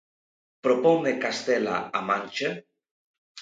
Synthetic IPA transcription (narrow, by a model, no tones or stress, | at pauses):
pɾopɔmekast̪ela̰amãnʲt͡ʃe